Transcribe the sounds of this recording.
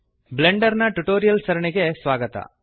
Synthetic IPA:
bleɳɖɐɾnɐʈuʈoːɾijɐlsɐɾɐɳiɡesʋaːɡɐt̪ɐ̰

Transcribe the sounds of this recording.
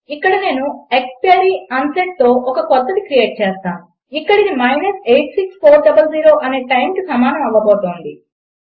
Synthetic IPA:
ikːɐɽɐne̞ːnuekspeɾiːɐnseʈ̚t̪o̞ːʔɔkɐkɔt̪ːɐd̪ikɾije̞ːʈ̚t͡ʃeːst̪aːmu | ikːɐɽinimɐjnɐsejʈsikspʰoːɾɖɐbɐlziːɾo̞ːʔɐne̞ːʈɐjmkisɐmaːnɐmɐʋːɐboːt̪oːnd̪i

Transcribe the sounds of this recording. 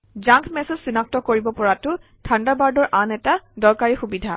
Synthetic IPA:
zaŋkʰmɛsezsinak̚tɔkoɹibɔpɔɹatʊtʰandabaɹdɔɹʔanɛtadɔɹkaɹixubidʱa

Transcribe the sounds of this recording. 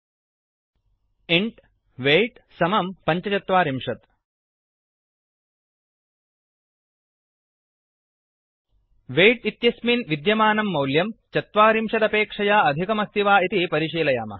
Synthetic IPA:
iɳʈ | ʋeːʈsɐmɐmpɐɲt͡ʃɐt͡ʃɐt̪ʋaːɾimʂɐt̪̚ | ʋeːjʈit̪jɐsminʋid̪jɐmaːnɐmːɐwljɐmt͡ʃɐt̪ʋaːɾimʂɐd̪ɐpeːkʂɐjaːɐd̪ʱikɐmɐst̪ʰiʋaːit̪ipɐɾiʂiːlɐja̰ːmɐ̰

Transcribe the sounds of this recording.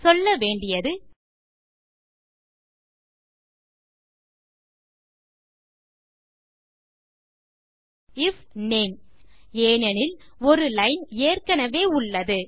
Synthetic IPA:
sɔlːɐʋeːɳɖɪjɐðɯ | ɪfneːmeːnɛnɪlɔɾɯlɐɪneːrkɐnɐʋeːʊɭːɐðɯ

